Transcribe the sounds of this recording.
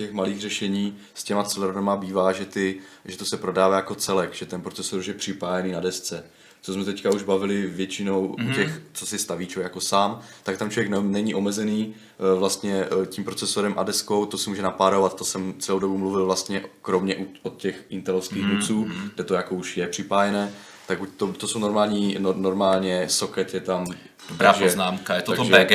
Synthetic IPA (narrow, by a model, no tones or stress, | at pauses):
cɛxmaliːɣrɛʃɛɲiː | scɛmat͡sɛlɛɾnamabiːvaːʒɛt̪ɪʒɛt̪o̞sɛpɾo̞daːvaːjako̞t͡sɛlɛkʒ̥ɛt̪ɛnpɾot͡sɛsoɾuʃjɛpr̥ɪpaːjɛniːnadɛst͡sɛ | t͡sosmɛt̪ɛckauʒbavɪlɪvjɛt͡ʃɪno̞wucɛxt͡sosɛst̪aviːt͡ʃovɛkjakosaːmt̪ak̚t̪amt͡ʃlovjɛknnɛɲiʔo̞mɛzɛniː | vlast̪ɲɛcimpɾo̞t͡sɛsoɾɛmʔa̰dɛsko̞wt̪osɛmuːʒɛnapaːɾovat̪t̪osɛmt͡sɛlowdobumluvɪlvlast̪ɲɛʔkɾomɲɛʔuot̪cɛxʔɪnt̪ɛlofskiːxnut͡suːɡdɛt̪ojakouʃjɛpr̝̥ɪpaːjɛnɛː | t̪aɡut̪ot̪osowno̞ɾmaːlɲiːnoɾmaːlɲɛsokɛt̪jɛt̪am | otbaaːɡʒɛznaːmkajɛt̪at̪ʒɛɛɡ